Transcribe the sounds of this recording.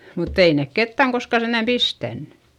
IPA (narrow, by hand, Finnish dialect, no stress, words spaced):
mutː ei neˑk ketːæŋ koskɑ send̥æm pistænːẙ